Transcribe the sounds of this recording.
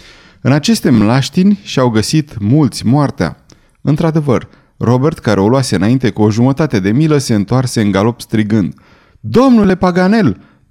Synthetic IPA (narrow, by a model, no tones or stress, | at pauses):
ɨnat͡ʃe̞st̪e̞mlaʃt̪inʲʃiawɡəsit̪mult̪sʲmoart̪ea̰ | ɨnt̪ɾad̪e̞vər | ro̞be̞rt̪kaɾeoloase̞ɨnaint̪e̞kuo̞ʒumət̪at̪e̞d̪e̞miləse̞ɨnt̪oarse̞ɨŋɡalo̞pst̪ɾiɡɨnd̪ | d̪o̞mnule̞paɡane̞l